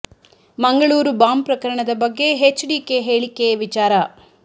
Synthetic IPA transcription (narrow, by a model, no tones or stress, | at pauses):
mɐŋɡɐɭuːɾubaːmpɾɐkɐɾɐɳɐd̪ɐbɐɡːe̞ɦet͡ʃːɖiːkeɦeːɭikːeʋit͡ʃaːɾɐ